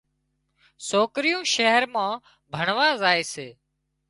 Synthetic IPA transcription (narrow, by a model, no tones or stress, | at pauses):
soːkɾɪjũːʃɛɦəɾmãː | bʱəɳʋaːzaːeːseː